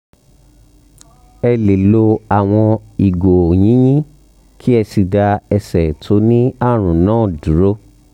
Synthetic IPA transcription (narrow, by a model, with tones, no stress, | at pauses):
ɛ˧le˨lo˧a˨w̃ɔ̃˧i˨ɡo˨o˨j̃ĩ˨˦j̃ĩ˦ | kʰi˦ɛ˧si˧da˧ɛ˧sɛ˨tʰo˧˦nĩ˦a˦˨ɾ̃ũ˨nãː˦˨du˨˦ɾo˦